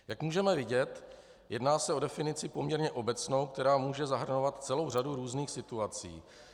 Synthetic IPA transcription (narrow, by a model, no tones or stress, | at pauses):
jakmuːʒɛmɛvɪɟɛt̪ | jɛdnaːsɛo̞dɛfɪnɪt͡sɪpo̞mɲɛɾɲɛʔo̞bɛt͡sno̞wk̚t̪ɛɾaːmuːʒɛzaɦr̩novat̪t͡sɛlo̞wr̝aduɾuːzniːxsɪt̪uat͡sḭː